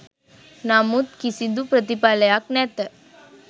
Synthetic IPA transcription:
namut̪kisid̪upɾət̪ipaləjaknɛt̪ə

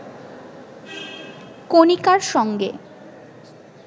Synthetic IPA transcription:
konikaɾʃɔŋɡḛ

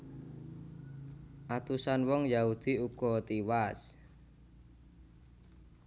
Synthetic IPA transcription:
ʔat̪usanwɔŋjaud̪̥iuɡ̥ɔt̪iwas

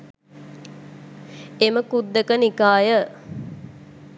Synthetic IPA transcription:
eməkud̪ːəkənikaːjə

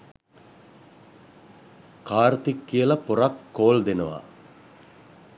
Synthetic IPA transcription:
kaːɾt̪ikːijəlɐpoɾakːoːld̪enəʋa̰

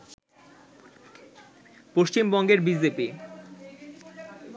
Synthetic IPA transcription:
poʃt͡ɕimbɔŋɡeɾbid͡ʑepi

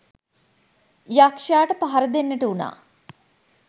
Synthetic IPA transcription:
jakʂaːʈəpaɦɐɾɐd̪enːəʈəuna̰ː

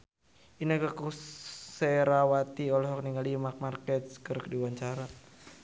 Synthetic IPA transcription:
inakakusɛɾawat̪iɔlɔɦɔk̚niŋɡalimak̚markɛt̪̚skɨrkdiwaɲt͡ʃaɾa

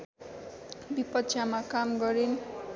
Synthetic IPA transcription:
bipʌt̪sʰjamakamɡʌɾin

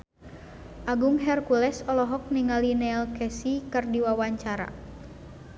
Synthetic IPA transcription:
ʔaɡuŋɦɛrkulɛsɔlɔɦɔk̚niŋalinɛlkɛsikɨrdiwawaɲt͡ʃaɾa̰

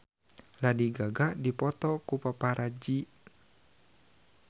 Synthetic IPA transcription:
ladiɡaɡaʔdipɔt̪ɔkupapaɾʔad͡ʒi

